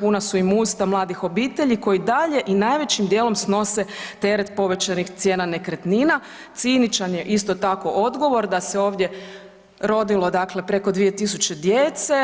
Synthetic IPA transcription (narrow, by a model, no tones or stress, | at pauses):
punasuimuːst̪amlˠaːd̪ixo̞biːt̪e̞ʎiko̞jid̪aʎe̞ʔinaːjʋe̞t͡ɕimd̪jeːlˠo̞msno̞set̪e̞ɾet̪po̞ʋe̞t͡ɕanixt̪sje̞ːnane̞kɾet̪nina | t̪sinit͡ʃanje̞ʔist̪o̞t̪ako̞ʔod̪ɡo̞ʋo̞ɾd̪ase̞o̞ːʋd̪je̞ | ɾo̞d̪ilˠo̞d̪akle̞pɾe̞ko̞d̪ʋije̞t̪isut͡ɕe̞d̪jet̪se̞